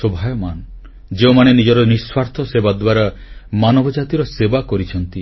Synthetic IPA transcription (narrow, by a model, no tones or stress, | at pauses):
sobʱajɔman | d͡ʒeumañenid͡ʒɔɾɔniswaɾt̪ʰɔsebad̪waɾamanɔbʱɔd͡ʒat̪iɾɔsebakɔɾit͡ʃʰɔnt̪i